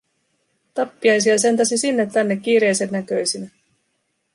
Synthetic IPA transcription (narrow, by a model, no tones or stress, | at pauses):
t̪ɑpːiɑjs̬iɑs̬e̞nt̪ɑsisinːe̞t̪ːænːe̞kːiːɾe̞jsenːækø̞jsinæ